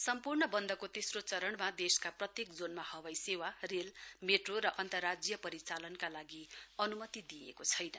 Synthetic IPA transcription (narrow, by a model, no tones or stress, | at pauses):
sʌmpurɳʌbʌnd̪ʌkot̪esrot͡sʌɾʌɳmad̪eskaprʌt̪jekd͡zonmahʌwajsewarelmeʈroɾʌʔʌnt̪ʌrːad͡zjʌpʌɾit͡salʌnkalaɡiʌnumʌt̪id̪iḛkot͡sʰʌjnʌ